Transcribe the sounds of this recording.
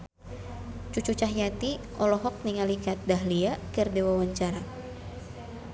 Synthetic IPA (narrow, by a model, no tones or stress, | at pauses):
t͡ʃut͡ʃut͡ʃaɦjat̪iʔɔlɔɦɔk̚niŋalikat̪̚daɦliakɨrdewawaɲt͡ʃaɾa